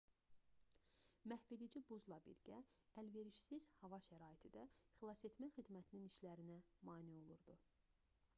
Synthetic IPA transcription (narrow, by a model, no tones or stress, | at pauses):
mæhved̪id͡ʒibuzlˠɑbḭɾɟæælve̞ɾiʃsiz̥hɑvɑʃæɾɑːit̪ʰid̪æxlˠɑset̪ʰmæxid̪mæt̪ʰininiʃlæɾinæmɑːnio̞lˠuɾd̪u